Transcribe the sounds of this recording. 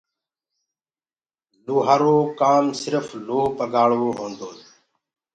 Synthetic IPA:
luːɦaːɾoːkaːmsɪɾəfloːpəɡaːɭʋoːɦõːnd̪oː

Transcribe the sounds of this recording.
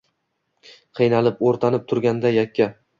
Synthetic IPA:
qʰɨjnalɪpoɾt̪ʰanɪp̚t̪ʰʊɾɡʲand̪ajakʲːa

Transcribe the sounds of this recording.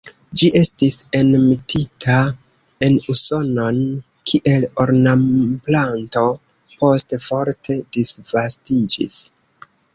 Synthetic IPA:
d͡ʒiʔe̞stise̞nmitʰitʰa | e̞nuso̞no̞n | kʰiʔe̞loɾnamplanto̞ | po̞stefo̞ɾtʰe̞disvastid͡ʒḭs

